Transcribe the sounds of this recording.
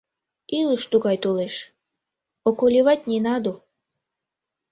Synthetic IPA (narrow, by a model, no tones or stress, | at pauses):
iləʃt̪uɣɑjt̪oleʃ | okolʲiβɑtʲnʲenɑd̪u